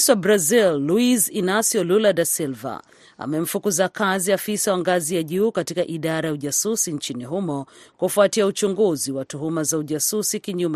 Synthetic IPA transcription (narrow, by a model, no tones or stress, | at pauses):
swabɾazilːuizinasjɔluladasilva̰ | a̰mɛm̩fukuzakaziafisawaŋɡazijaʄuːkatikaʔiɗaɾajauʄasusiɲt͡ʃiniɦumɔkufuatiaut͡ʃuŋɡuziwatuɦumazauʄasusikiɲumɛ